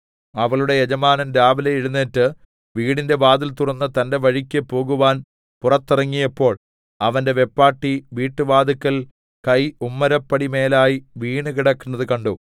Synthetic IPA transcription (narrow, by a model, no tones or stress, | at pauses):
ɐʋɐɭuɽe̞jed͡ʑɐmaːnɐnɾaːʋɐlejiɻunːeːtːɨ | ʋiːɽinde̞ʋaːd̪ilt̪urɐnːɐt̪ɐnde̞ʋɐɻikʲːɨpːo̞ːɣuʋaːn | purɐt̪ːirɐŋːijɐpːo̞ːɭ | ɐʋɐnde̞ʋe̞pːaːʈːiʋiːʈːɨʋaːd̪ikːɐl | kɐjumːɐɾɐpːɐɽime̞ːlaːjiʋiːɳɨkiɽɐkːunːɐðɨkɐɳɖo